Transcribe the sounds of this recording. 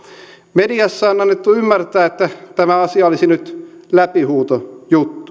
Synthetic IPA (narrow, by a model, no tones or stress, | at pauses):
mediɑsːɑːonɑnːet̪ːuymːært̪æːet̪ːæt̪æmæɑsiɑolisinyt̪læpihuːt̪ojut̪ːu̥